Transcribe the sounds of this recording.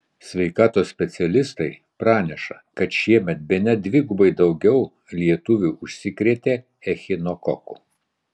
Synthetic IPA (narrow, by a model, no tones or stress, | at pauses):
sʲʋʲɛɪkɑːt̪oːsʲsʲpʲɛt̪sʲɛlʲɪst̪ɐɪ | pɾɑːnʲɛʃɐ | kɐt̪ʃʲiɛmʲɛt̪̚bʲɛnʲɛd̪ʲʋʲɪɡʊbɐɪd̪ɒʊɡʲɛʊ | lʲiɛt̪ʊʋʲuʊʃʲsʲɪkɾʲeːt̪ʲeː | ɛxʲɪnɔkɔkʊ